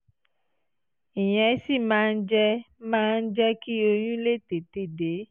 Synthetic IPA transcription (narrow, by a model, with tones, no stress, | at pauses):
ĩ˨j̃ɛ̃˨˦si˦˨mãː˨˦˧n̩˦d͡ʒɛ˦mãː˦n̩˦d͡ʒɛ˦ki˦o˧jũ˦le˦t̪e˨t̪e˦˨de˨˦